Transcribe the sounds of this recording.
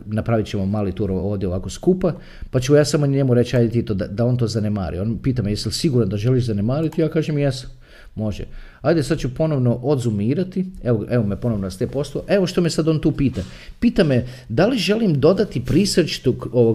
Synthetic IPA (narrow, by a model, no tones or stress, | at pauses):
napɾaʋit͡ɕemomaːlit̪uːɾoo̞ːʋd̪jeo̞ʋako̞skupa | pat͡ʃumojaːsamoɲemuɾe̞t͡ʃajd̪et̪it̪od̪ad̪ao̞nt̪o̞ːzanema̰ːɾḭonpiːt̪amejesilsiɡuɾand̪aʒeliʃzanemaːɾit̪ijaːkaːʒemjesḁ | mo̞ʒɛ̰ | ajd̪esad̪̚t͡ʃupo̞no̞ʋno̞ʔod̪zumiːɾat̪ieʋoeʋo̞mepo̞noʋnoast̪epo̞slˠooʔe̞ʋoʃt̪o̞mesad̪o̞ːnt̪uːpiːt̪a | piːt̪amed̪aliʒe̞limd̪o̞d̪at̪ipɾisɾt͡ʃi̥t̪ukoʋo